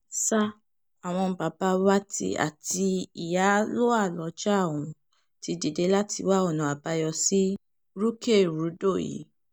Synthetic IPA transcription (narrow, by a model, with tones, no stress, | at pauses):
sa˦ | a˨w̃ɔ̃˧ba˨ba˦wa˦tḭ˧˦a̰˨ti˧i˨ja˨˦lo˦a˦˨lɔ˨˧˦d͡ʒa˦˨o˨ũ˨˦ | ti˧di˨de˨˦la˦tʰi˧wa˦ɔ˦˨nɔ̃˨a˨ba˧jɔ˧si˦ | ɾu˦ke˦˨ɾu˨˦do˦˨jḭ˨˦